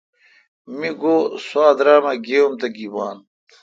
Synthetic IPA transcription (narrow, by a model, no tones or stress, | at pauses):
miɡoːsaːd̪ɾaːmɐɡeːomt̪ɐɡibaːn